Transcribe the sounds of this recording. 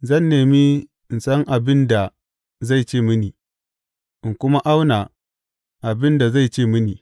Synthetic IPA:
zɐ˦˨nːeː˨mi˦ | ɪ˨nsɐ˦ŋʔa˨bɪ˦nda˨ | za˦˨jt͡ʃeː˦˨mɪ˦niː˨ | ʔɪ˨ŋkʷʊ˦ma˦ʔa˦wna˨ | ʔa˨bɪ˦nda˨za˦˨jt͡ʃeː˦˨mɪ˦niː˨

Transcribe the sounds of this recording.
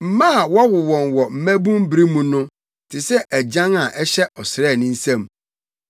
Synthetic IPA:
m̩˨mã˦a˨wa˦wʊ˨wɔ̃˨nwɔ˨m̩˨mæ̃˦bũ˦m˦bɾi˦mũ˦nʊ̃˦ | tʰɪ˨sɛ˦ʔæ˨d͡ʑã˦ŋa˨ʔɛ˦ɕɛ˦ʔɔ˨sɾɛː˦˨nɪ̃˦n̩˦sã˦˨m

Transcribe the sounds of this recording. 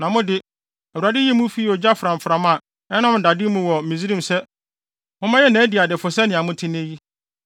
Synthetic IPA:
nã˨mʊ̃˦dɪ˦ | æ˨wu˨a˨dɪ˦jɛ˦mũ˦fi˦i˦ɔ˨d͡ʑa˦fɾã˨m˨fɾã˨˦ma˨ | ɛ˦nã˦m̩˨da˨dɪ˦mũ˦wɔ˨mĩ˨zi˦ɾĩ˦˨msɛ˦ | mʊ̃˦mã˦jɛ˦næ̃˨˦di˨a˨dɪ˨fʊ˨sɛ˦nɪ̃˨a˨mʊ̃˦tʰɪ˦n˦e˦ji˦

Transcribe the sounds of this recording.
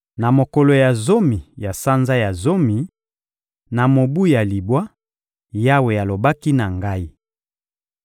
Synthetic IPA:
na˨mo˨kɔ˨lo˨ja˨zo˦mi˨ja˨sa˦nza˦ja˨zo˦mi˨ | na˨mo˨bu˦ja˨li˨bwa˦ | ja˦we˨ja˨lo˨ba˦ki˦na˨ŋɡa˦i˦

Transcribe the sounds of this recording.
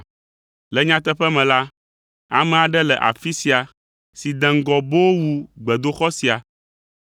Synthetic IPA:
lɛ˨ɲã˦t̪ɛ˦ɸɛ˦mɛ̃˨la˦ | a˨mɛ̃˨a˨ɖɛ˦lɛ˨ʔa̰˨fi˦si˨a˨ | si˨d̪ɛ̃˨ŋ̩˦ɡɔ˨bo˦wo˦wu˨ɡ͡bɛ˨d̪o˦xɔ˦si˨a˨

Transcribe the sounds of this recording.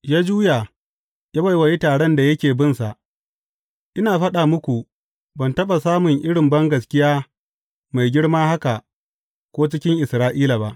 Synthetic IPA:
jaː˦d͡ʒuː˦ja˨ | ja˦ba˨jwɐ˨ji˦taː˨ɽɛ˦nda˨jɐ˦kʲeː˨bɪ˦nsa˨ʔ | ʔɪ˦naː˨ɸɐ˦ɗaː˨mʊ˦kʷu˨ | bɐ˨ntɐ˦ɓa˨saː˦mʊ˨ŋʔɪ˦ɽɪ˨mbɐ˦ŋɡɐ˨skʲɪ˦jaː˦ | ma˨jɡʲɪ˦ɽmaː˦ha˦ka˨ʔ | kʷoː˦t͡ʃɪ˦kʲɪ˦ŋʔɪ˨sɾaː˦ʔiː˦la˨ba˦ʔ

